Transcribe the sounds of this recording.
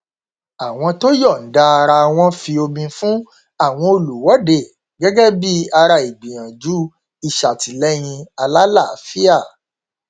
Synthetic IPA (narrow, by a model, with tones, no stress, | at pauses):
a˨w̃ɔ̃˧to˦jɔ˦˨n̩˨˦da˦a˧ɾa˧w̃ɔ̃˧fi˧o˧mĩ˧fũ˦ | a˦˨w̃ɔ̃˧o˧lu˨wɔ˨˦de˦˨ | ɡɛ˦ɡɛ˦bi˦a˧ɾa˧i˨ɡ͡bĩ˨ɾ̃ã˨d͡ʒu˦ | i˦˨ʃa˨ti˨lɛ˦j̃ĩ˧a˧la˦la˦˨fi˦a˦˨